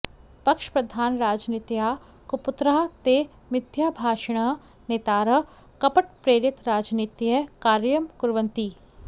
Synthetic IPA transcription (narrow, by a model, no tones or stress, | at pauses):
pɐkʃpɾɐd̪ʱaːnɾaːd͡ʒniːt̪jaː | kʊpʊt̪ɾaːt̪eː | mɪd̪ʱjaːbʱaːʃəɽ̃ɐ | neːt̪aːɾə | kɐpəʈpɾeːɾɪt̪ɾaːd͡ʒniːt̪jɐkaːɾjəmkʊɾʋə̃nt̪iː